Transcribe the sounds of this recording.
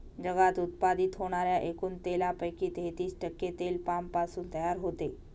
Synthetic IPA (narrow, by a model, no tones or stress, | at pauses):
d͡ʑəɡat̪ut̪̚pad̪it̪ɦoɽ̃aɾjaʔekuːnt̪elapəjkiːt̪ɦet̪iːsʈəkːet̪elpampasuːnt̪əjaɾɦot̪e